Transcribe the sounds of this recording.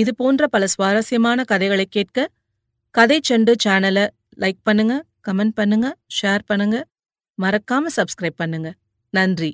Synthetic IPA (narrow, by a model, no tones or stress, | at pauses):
ɪðɯpoːndrɐpɐlɐsʋaːɾɐsɪjɐmaːnɐkɐðɐɪɣɐɭɐɪkːeːʈ̚kɐ | kɐðɐɪt͡ʃːɛɳɖɯt͡ʃaːnɐlɐ | lɐɪk̚pɐɳːɯŋɡɐ | kɐmɛɳʈ̚pɐɳːɯŋɡɐʂeːɾpɐɳːɯŋɡɐ | mɐɾɐkːaːmɐsɐbskɾɐɪb̚pɐɳːɯŋɡɐ | nɐndri